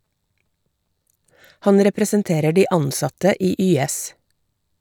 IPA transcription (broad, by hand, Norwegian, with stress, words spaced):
ˈhɑn ɾɛpɾɛsənˈteːɾə ˈɖiː ˈɑnˌsɑtə ˈiː ˈyːˌɛs